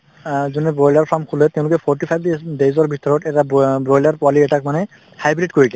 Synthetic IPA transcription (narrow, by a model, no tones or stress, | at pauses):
zunɛbɹɔjlaɹpʰɹamkʰulɛtɛʊ̃lʊkɛpʰɔɹtipʰajbdezɔɹbʱitɔɹɔtɛtabɹɔjlaɹpɔaliɛtak̚manɛ | hajbɹitkoɹiɡɛ